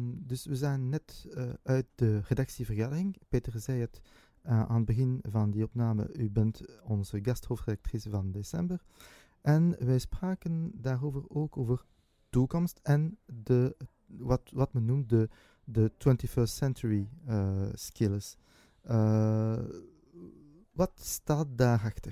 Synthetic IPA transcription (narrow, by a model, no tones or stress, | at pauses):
dɵsʋəzaːənːɛtœɥt̚dəredɑksivərɣaːdərɪŋpeːtərzɛjət | ʔa̰ːnəd̚bəɣɪnvɑndiɔpnaːmə̰ʔybɛntɔnzəɡɑsthoːftredak̚trisvɑndesɛmbər | ʔɛnʋɛjspraːkəndaːroːvəroːkoːvər | tukɔmstɛndə | ʋɑtʋɑtmənːumt̚də | dətwɛntifɜːɹstsɛnt͡ʃuɹiəskɪləs | ə | ʋɑtstaːt̚daːrɛxtər